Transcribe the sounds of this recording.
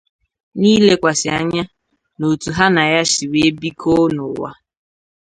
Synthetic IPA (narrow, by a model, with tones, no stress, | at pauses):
niː˦le˦kʷa˨sɪ˨a˦ɲa˦ | no˨tu˨ɦa˦na˨ja˦ʃi˨we˦e˦bi˦kʰo˦nʊ˨wa̰˦